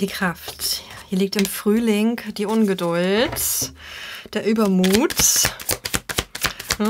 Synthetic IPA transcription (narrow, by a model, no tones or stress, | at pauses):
d̥iːkʁ̥aft | hiːɐlik̚tɪmfʁ̥yːlɪŋd̥iːʔʊnɡədʊlt | d̥eːɐʔyːbɐmuːt